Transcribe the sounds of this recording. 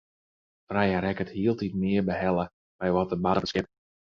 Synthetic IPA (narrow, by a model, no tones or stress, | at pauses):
frɛjəɾɛkəthiəlˠtitmɪərbəɦɛlˠə | bɛjʋɔtəbaɾəbəskɪp̚